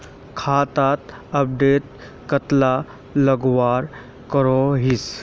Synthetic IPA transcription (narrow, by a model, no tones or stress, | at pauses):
kʰat̪at̪əp̚ɖeʈ̪̚ | kət̪la | ləɡʋaɾ | kəɾɔɦis